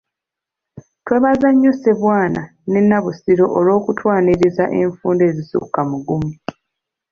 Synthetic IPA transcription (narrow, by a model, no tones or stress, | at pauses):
twe̞βazaɲːoseβwaːna | ne̞nːaβusiɾo̞ʔolo̞ːkutʰwaːniɾizaʔe̞ɱfuːnde̞ːzisṵkamuɡumi